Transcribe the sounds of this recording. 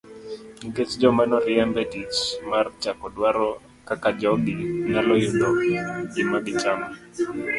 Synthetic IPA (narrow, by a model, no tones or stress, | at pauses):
iɡet͡ʃd͡ʒɔmanɔɾɪɛmbɛdit͡ʃmart͡ʃakɔdwaɾɔ | kakad͡ʒɔɡɪŋalɔjundɔɪmaɡɪt͡ʃamɔ